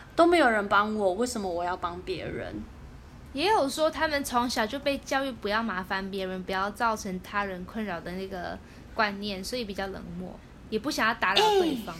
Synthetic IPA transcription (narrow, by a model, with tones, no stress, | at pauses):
t̪o˥ʊme˧˥jo˨˩ʊɻə˧˦npɑ˦ŋwɔ˨˩we˥˩ɪʂə˨˩nmə˦wɔ˨˩jɑ˥˩ʊpɑ˦ŋpjɛ̰˧˥ɻə̰˧˦n | jɛ˧˥jo˨˩ʊʂwɔ˥t̪ʰa˥mə˨nt͡sʰɑ˧˥ŋɕjɑ˨˩ʊt͡ɕjo˥˧ʊpe˥˧ɪt͡ɕjɑ˥˧ʊy˥˩pu˨˧˦jɑ˥˩ʊma˧˥fa˧˥npjɛ˧˥ɻə˧˥npu˧˥jɑ˥˧ʊt͡sɑ˥˩ʊʈ͡ʂʰɤ˧˥ŋt̪ʰa˥ɻə˧˥nkʰwə˥˩nɻɑ˨˩ʊd̪ə˦na˥˩ɡə˩ | kwa˥˧nnjɛ˥˩nswɔ˧˥i˧˥pi˨˩t͡ɕjɑ˥˩ʊlɤ̰˧˥ŋmwɔ̰˥˩ | jɛ˨˩pu˥˩ɕjɑ˨˩ŋjɑ˥˩ʊt̪a˧˥lwe˥˩fɑ˥ŋ